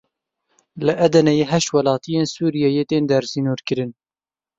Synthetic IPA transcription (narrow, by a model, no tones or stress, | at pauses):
lɨʔɛd̪ɛnɛjeɦɛʃwɐlɑːt̪ʰijeːnsuːɾijɛjeːt̪eːnd̪ɛɾsinuːɾkɨɾɨn